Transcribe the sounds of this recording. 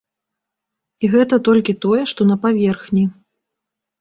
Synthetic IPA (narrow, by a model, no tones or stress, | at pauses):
iɣɛt̪ɐt̪ɔlʲkʲit̪ɔjɛʂt̪ɔnɐpavʲɛrxnʲi